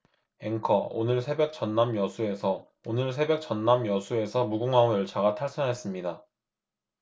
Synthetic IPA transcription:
e̞ŋkʰʌo̰nɯɭsʰe̞bek̚t͡ɕ͈ʌnːamjʌsʰue̞sʰʌ | onɯɭsʰe̞bek̚t͡ɕʌnːamjʌsʰue̞sʰʌmuɡuŋɦaojʌɭt͡ɕʰaɡatʰaɭs͈ʌnɦes͈ɯmɲida

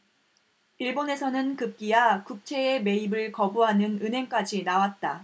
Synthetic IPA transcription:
iɭbone̞sʰʌnɯnkɯp̚k͈ijakuk̚t͡ɕʰe̞eme̞ibɯɭkʌbuɦanɯnɯnɦe̞ŋk͈ad͡ʑinawat̚t͈a

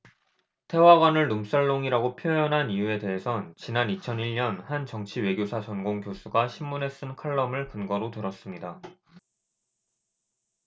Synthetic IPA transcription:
tʰe̞waɡwanɯɭnums͈aɭːoŋiɾaɡopʰjojʌnɦanijue̞de̞ɦe̞sʰʌnt͡ɕinanit͡ɕʰʌniɭɲʌnhant͡ɕʌŋt͡ɕʰiwe̞ɡjosʰat͡ɕʌnɡoŋkjosʰuɡaɕʰimːune̞s͈ɯnkʰɯɭːʌmɯɭkɯnɡʌɾotɯɾʌs͈ɯmɲida

